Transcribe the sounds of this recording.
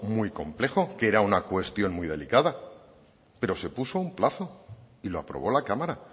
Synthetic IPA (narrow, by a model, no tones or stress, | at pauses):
mwijko̞mple̞xo̞keɾaunakwe̞st̪jo̞nmijðe̞̰likaða | pe̞ɾo̞se̞pusoumplaθo̞ | ilo̞apɾo̞̰β̞o̞lakamaɾa